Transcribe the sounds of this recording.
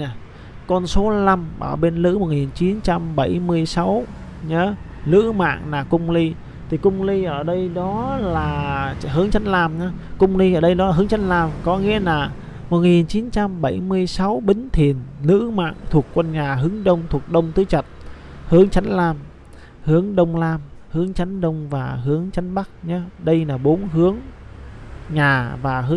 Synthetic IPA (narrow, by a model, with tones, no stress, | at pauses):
kɔ˧nso˨˦la˧mʔə̰ː˧˩wɓe˧nlɨ̰˧˥mo˨˩t̚ŋi˨˩nt͡ɕi˨˦nt͡ɕa˧mɓa˧˩jmɨ˧əjsa˨˦w | ɲəː˨˦ | lɨ̰˧˥ma̰ː˧˨ŋlaː˨˩kʊ˧ŋ͡mli˧ | t̪ʰi˨˩kʊ˧ŋ͡mli˧ʔəː˧˩ɗə˧jɗɔ˨˦laː˨˩ɦɨ˨˦əŋt͡ɕa˨˦nlaː˧mɲaː˨˦kʊ˧ŋ͡mli˧ʔəː˧˩ɗə˧jɗɔ˨˦a˨˩ɦɨ˨˦əŋt͡ɕa˨˦n̟laː˧mkɔ˨˦ŋḭ˧˥əlaː˨˩ | mo˨˩t̚ŋi˨˩nt͡ɕi˨˦nt͡ɕa˧mɓa˧˩jmɨ˧əjsa˨˦wɓï˨˦ŋ̟t̪ʰi˨˩ənnɨ̰˧˥ma̰ː˧˨ŋt̪ʰu˨˩ək̚kwə˧nɲaː˨˩ɦɨ˨˦əŋɗə˧wŋ͡mt̪ʰu˨˩ək̚ɗə˧wŋ͡mt̪ɨ˨˦t͡ɕə˨˩t̚ | hɨ˨˦əŋt͡ɕa˨˦jŋ̟laː˧m | hɨ˨˦əŋɗə˧wŋ͡mlaː˧mhɨ˨˦əŋt͡ɕa˨˦jŋɗə˧wŋ͡mvaː˨˩ɦɨ˨˦əŋt͡ɕa˨˦jn̟ɓa˦˥k̚ɲa˨˦ɗə˧jlaː˨˩ɓo˨˦nɦɨ˨˦əŋ | ɲaː˨˩vaː˨˩ɦɨ˨˦